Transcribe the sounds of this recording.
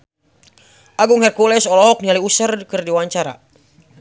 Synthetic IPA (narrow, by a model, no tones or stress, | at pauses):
ʔaɡuŋhɛrkulɛsɔlɔɦɔk̚nialiusərkɨrdiwaɲt͡ʃaɾa̰